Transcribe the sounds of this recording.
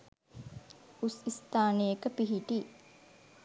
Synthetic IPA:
usist̪aːnejekəpiɦiʈiː

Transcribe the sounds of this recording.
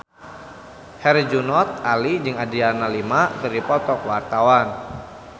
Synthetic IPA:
hɛrd͡ʒunɔt̪̚alid͡ʒɨŋadianalimakɨrdipɔt̪ɔkwart̪awan

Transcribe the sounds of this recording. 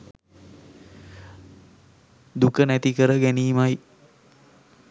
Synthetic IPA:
d̪ukənæt̪ikəɾəɡæniːmaj

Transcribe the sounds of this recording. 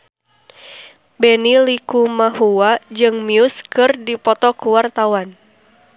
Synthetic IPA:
bɛnilikumahuwad͡ʒɨŋmiuskɨrdipɔt̪ɔkuwart̪awan

